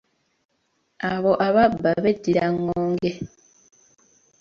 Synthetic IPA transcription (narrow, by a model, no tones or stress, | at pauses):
aβo̞ʔaβabːaβedːiɾaŋːoːŋɡe